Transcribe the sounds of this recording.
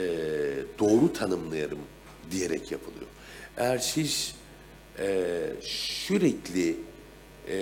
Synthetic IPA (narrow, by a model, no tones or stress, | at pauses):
ɛd̪̥o̞ːɾut̪ʰanɯmlˠajaɾɯm | d̪ije̞ɾɛcjapʰɯlˠɯ̰jo̞̰ | ɛæɾʃiʃ | ɛ | ʃyɾɛclʲɪ